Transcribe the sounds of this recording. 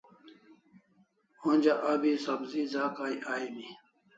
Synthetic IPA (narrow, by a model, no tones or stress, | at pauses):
õnd͡ʑaʔaːbisɐbziːzaːkaːiʔaːimi